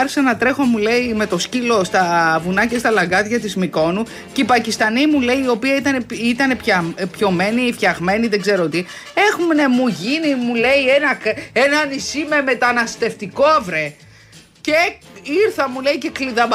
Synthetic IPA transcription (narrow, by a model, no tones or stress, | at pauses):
ɾsenɐt̪ɾe̞xo̞mule̞ime̞t̪o̞scilo̞st̪ɐvunɐcest̪ɐlɐɡɐðʝɐt̪izmiko̞nu | cipɐcist̪ɐnimule̞iːo̞piɐit̪ɐneit̪ɐne̞pçɐpço̞me̞nifçɐɣme̞niðe̞ɡze̞ɾot̪i | e̞xumnemuʝinimule̞ie̞nɐkenɐnisime̞me̞t̪ɐnɐst̪e̞ft̪iko̞ɐvɾe̞ | ceiɾθɐmule̞ice̞kliðɐb